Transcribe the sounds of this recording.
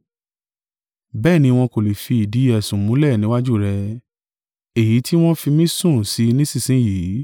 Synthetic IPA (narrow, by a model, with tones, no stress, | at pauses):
bɛː˦˨nĩ˧w̃ɔ̃˧ko˨le˨fi˧i˨di˨˦ɛ˧˨sũ˨mũ˨˦lɛ˦˨nĩ˨˦wa˦d͡ʒu˦˨ɾɛ˧ | e˨ji˨˦tʰi˦w̃ɔ̃˦fi˧mĩ˦sũ˦˨si˨˧˦nĩ˦sĩ˦˨sĩ˨˦ji˨˦